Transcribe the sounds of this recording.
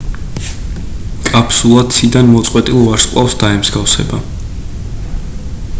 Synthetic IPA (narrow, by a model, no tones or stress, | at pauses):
kʼapʰsulˠad̪t̪sʰid̪anmɔt̪sʼqʼwɛt̪ʼilˠvaɾsqʼlˠafsd̪aɛmzɡafsɛ̰ba